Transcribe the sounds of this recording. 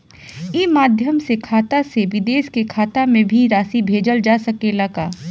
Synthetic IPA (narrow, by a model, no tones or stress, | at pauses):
iːmaːd̪ʱjəmsekʰaːt̪aseʋɪd̪eːʃkekʰaːt̪amẽbʱiɾaːsibʱeːd͡ʒəld͡ʒaːsɐkelɐkaː